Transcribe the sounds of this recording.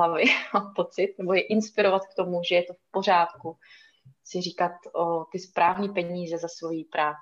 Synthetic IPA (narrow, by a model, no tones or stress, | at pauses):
lavɪmampo̞t͡sɪt̪̚nɛbo̞jɛʔɪnspɪɾo̞vat̪k̚t̪o̞muʒɛjɛt̪o̞fpo̞r̝aːt̪ku | sɪriːkat̪ot̪ɪspɾʔaːvɲiːpɛɲiːzɛzasvo̞jipɾaː